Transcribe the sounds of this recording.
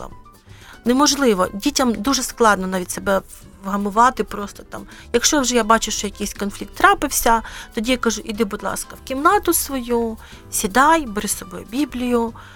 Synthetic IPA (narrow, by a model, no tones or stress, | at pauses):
ɐ̰m | nemɔʒlˠɪʋɔ̰dʲitʲɐmd̪uʒɛsklˠɑd̪nɔnɑʋʲitʲsebɛ | ʋɦɐmʊʋɑt̪ɪpɾɔst̪ɔ̥t̪ɑmjɐkʃt͡ʃɔwʒɛjabɑt͡ʃʊʃt͡ʃɔjɐkɪjsʲkɔnflʲik̚t̪ːɾɑpɪwsʲɐt̪ɔdʲijakɐʒuʔid̪ɪbʊd̪lˠɑ̰skɐwkʲimnɑt̪ʊsʋɔju | sʲid̪ɑjbeɾɪsɔbɔjʊbʲiblʲijʊ